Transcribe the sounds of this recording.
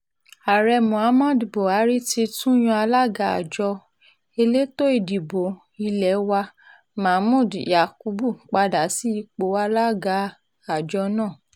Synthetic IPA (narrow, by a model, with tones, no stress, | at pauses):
a˨ɾɛ˧mũ˨a˨˦mã˦˨dbo˨a˨˦ɾi˦ti˧tũ˦j̃ɔ̃˧a˧la˦ɡa˧a̰˨d͡ʒɔ˧ | e˧le˦to˦i˦˨di˨bo˨ | i˧lɛ˨˦wa˧ | mã˨˦mũ˦˨dja˨ku˧˦bu˦˨k͡pa˧da˨si˦˧k͡po˨˦a˧la˦ɡa˧˦ | a˨d͡ʒɔ˧˦nãː˦˨